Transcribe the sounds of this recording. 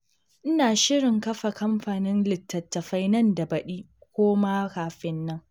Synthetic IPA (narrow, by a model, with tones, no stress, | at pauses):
ʔɪ˦naː˨ʃɪ˦ɽɪ˨ŋkɐ˦ɸa˨kɐ˦mɸaː˨nɪ˦nlɪ˨tːɐ˨tːɐ˨ɸa˦jnɐ˦nda˨bɐ˨ɗiː˦ | kʷoː˦ma˦kaː˨ɸɪ˦nːɐ˦ŋ